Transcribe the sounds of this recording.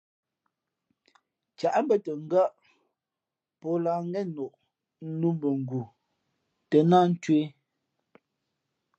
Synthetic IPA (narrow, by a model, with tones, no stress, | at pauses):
t͡ʃa˨ʔm˦bə˦tə˨ŋ̩˦ɡa˦˨ʔ | pɔ˦laː˨ŋ˦ɛ˦no˨ʔ | nu˦mbə˨ŋ̩˨ɡu˨ | tə˨na˦n̩˦twe˦